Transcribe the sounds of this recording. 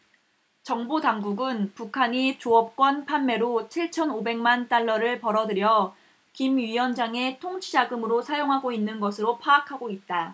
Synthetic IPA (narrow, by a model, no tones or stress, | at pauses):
t͡ɕʌŋbotaŋɡuɡɯnpukʰaɲit͡ɕoʌp̚k͈wʌnpʰanme̞ɾot͡ɕʰiɭt͡ɕʰʌnobe̞ŋmant͈aɭːʌɾɯɭpʌɾʌdɯɾjʌ | kimɥiʌnd͡ʑaŋe̞tʰoŋt͡ɕʰid͡ʑaɡɯmɯɾosʰajoŋɦaɡoinːɯnɡʌsʰɯɾopʰaːkʰaɡoit̚t͈a